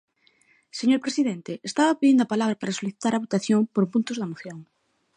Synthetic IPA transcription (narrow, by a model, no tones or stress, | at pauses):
seɲoɾpɾesiðent̪eːst̪aβapeðind̪oapalaβɾapaɾasoliθit̪aɾaβot̪aθjoŋpoɾpũnt̪ozðamoθjõŋ